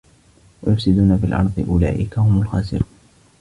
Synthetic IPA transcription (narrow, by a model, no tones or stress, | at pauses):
wajʊfsɪd̪uːnafiːlʔɑ̰ɾˤd̪ˤɨʔʊla̰ːʔɪkahʊmʊlxaːsɪ̰ɾuːn